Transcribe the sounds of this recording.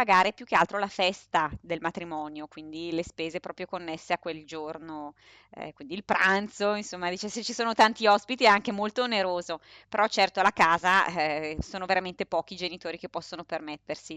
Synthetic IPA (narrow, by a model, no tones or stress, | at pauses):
paɡaːɾepjuk̟ːealt̪ɾolafɛst̪ad̪elmat̪ɾimɔːnjokwind̪ilespeːzepɾɔːpɾjokonːesːeakːweld͡ʒorno | ɛ̰kwind̪iːlpɾant̪soinsomːad̪iːt͡ʃeset͡ʃːisoːnot̪ant̪iɔspit̪iɛaŋkemolt̪oːneɾoːzopeɾɔt͡ʃɛrt̪olakaːza | soːnoveɾament̪epɔːk̟id͡ʒenit̪oːɾikepːɔsːonopermet̪ːersi